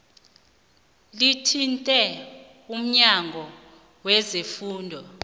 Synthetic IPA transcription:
litʰintʼɛ | um̩ɲaŋʱɔ | wɛzefuːndʱɔ

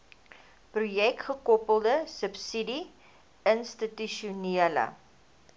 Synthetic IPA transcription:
prujɛk̚tχəkɔpəlˠdəsəpsidi | ənstətyʃuniələ̰

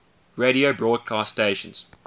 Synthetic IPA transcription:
ɹeɾiobɹɔːd̚kʰastteɪʃə̰̃nz̥

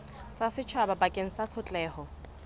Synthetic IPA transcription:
t͡sʼasɪt͡ʃʰababakʼeŋ̩sasʊt͡ɬʼɛːhɔ

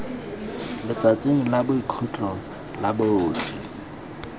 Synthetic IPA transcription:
lɪt͡sat͡sʼeŋ̩labʊikʰut͡ɬʼɔ | laboːtʰi

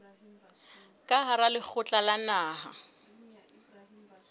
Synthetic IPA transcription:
kʼaɦaɾalɪk͡xʰʊt͡ɬʼalanaːɦa̰

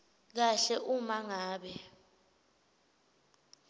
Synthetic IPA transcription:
k̬aɬɛʔumaŋaːɓɛ

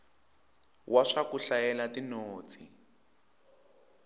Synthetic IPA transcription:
wʔaʂakuɬajɛlatinoːt͡si

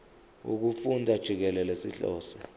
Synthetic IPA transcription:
ṵk̬ufundʱad̥ʒ̥ʱik̬ɛlɛlesḭɬɔ̰ːsɛ̥

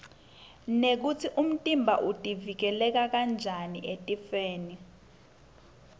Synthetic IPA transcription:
nek̬utʰiʔum̩tʼimbʱaʔutʼivik̬ɛlɛk̬ak̬and͡ʒʱaniʔetʼifeːni

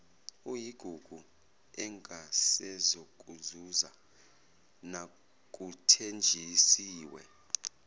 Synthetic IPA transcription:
ujiɡ̥ʱuɡ̥ʱu | ɛŋʱasɛzok̬ʼuzuza | na | k̬ʼutʰend͡ʒʱisiːwɛ

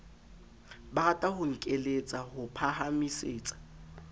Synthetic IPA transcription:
baɣatʼahʊŋ̩kʼelet͡sʼahʊpʰahamiseːt͡sʼḁ

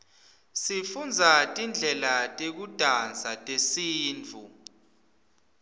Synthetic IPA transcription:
sifund͡zʱatʼind͡ɮʱɛlatʼek̬ud̥ʼʱant͡sʰʼatʼesiːnt͡fu

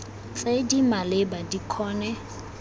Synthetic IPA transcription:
t͡sʼedimalebadikʰɔːnɛ

